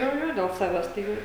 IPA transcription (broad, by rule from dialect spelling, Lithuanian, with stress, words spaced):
ˈjoː ˈjoː dʲɛlˠ ˈsɑːʋʲɛs tɐɪ ˈjɛʊ